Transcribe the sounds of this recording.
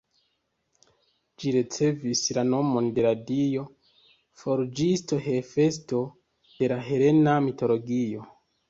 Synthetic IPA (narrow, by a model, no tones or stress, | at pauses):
d͡ʒiɾet͡se̞vislano̞mo̞nde̞ɾadio̞ | foɾd͡ʒisto̞ɦe̞fe̞sto̞ | d̥e̞laɦe̞ɾe̞namito̞lo̞ɡio̞